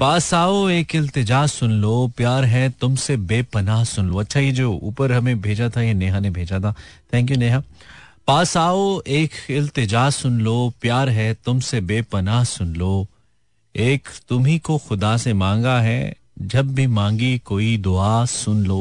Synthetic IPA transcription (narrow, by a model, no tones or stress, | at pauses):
paːsaːoeːkɪlt̪ɪd͡ʒaːsʊnloːpjaːɾɦɛt̪ʊmsebeːpɐnaːɦsʊnloɐtːʃʰajed͡ʒoːṵːpəɾɦɐmẽbʱeːd͡ʒat̪ʰajeneːɦanebʱeːd͡ʒat̪ʰat̪ʰɛ̃ːŋk̬juneːɦapaːsaːoeːkɪlt̪ɪd͡ʒaːsʊnloːpjaːɾɦɛt̪ʊmsebeːpɐnaːɦsʊnloː | eːkt̪ʊmɦikoxʊd̪asemãːŋɡaɦɛ̰ | d͡ʒɐbbʱimãːŋɡikoːid̪ʊaːsʊnloː